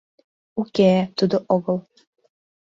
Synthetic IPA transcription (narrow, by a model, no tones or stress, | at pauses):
ukʲet̪ud̪oʔoɣɤ̆lˠ